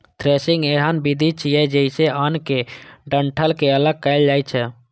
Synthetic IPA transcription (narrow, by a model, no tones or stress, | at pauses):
t̪ʰɾeːsɪ̃ŋɡeːɦənbid̪ʱit͡ʃʰijɛd͡ʒəɪseʔənkeɖəɳʈʰəlkeələɡ̚kɛɪld͡ʒaːit͡ʃʰɛ